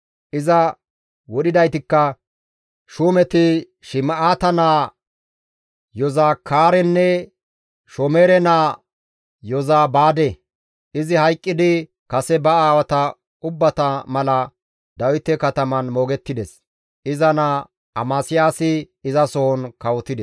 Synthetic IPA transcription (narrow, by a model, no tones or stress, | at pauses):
ʔɪzɐ | wɔɗɪd̪ɐjt̪ɪkːɐ | ʃuːmɛt̪ɪ | ʃɪmɐʔaːt̪ɐnaː | jɔzaːkʰaːɾɛnːɛ | ʃɔmeːɾɛnaː | jɔzaːbaːd̪e | ʔɪzɪhɐjkʼːɪd̪ɪ | kɐsɛbɐaːwɐt̪ɐ | ʊbːɐt̪ɐmɐlɐ | d̪ɐwɪt̪ːɛkɐt̪ɐmɐnmo̞ːɡɛt̪ːɪd̪ɛs | ʔɪzɐna | ɐmaːsɪjaːsɪː | zɐsɔɔnkɐwɔt̪ːɪd̪ɛs